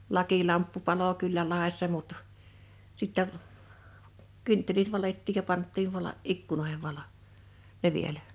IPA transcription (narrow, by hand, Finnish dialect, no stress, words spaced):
lɑkilɑmpːu pɑlo kylːæ lɑˑi̞sːɑ mut sitːæ kyntːelit ʋɑletːiːj jɑ pɑntːiːʋ ʋɑlɑ ikːunoe̝heʋ ʋɑlo ne ʋielæ